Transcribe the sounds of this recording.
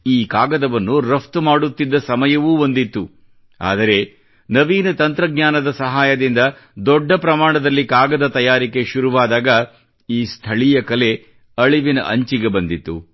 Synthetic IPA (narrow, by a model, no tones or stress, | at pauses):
iːkaːɡɐd̪ɐʋɐnːuɾɐft̪maːɽut̪ːid̪ːɐsɐmɐjɐʋuːond̪it̪ːu | a̰ːd̪ɐɾe̞ | nɐʋiːnɐt̪ɐnt̪ɾɐɡɲaːnɐd̪ɐsɐɦaːjɐd̪ind̪ɐ | d̪ɔɖːɐpɾɐmaːɳɐd̪ɐlːikaːɡɐd̪ɐt̪ɐjaːɾike̞ʃuɾuʋaːd̪aːɡɐ | iːst̪ʰɐɭijɐkɐle̞ | ɐɭiʋinɐ̰ʔɐɲt͡ʃiɡe̞bɐnd̪it̪ːṵ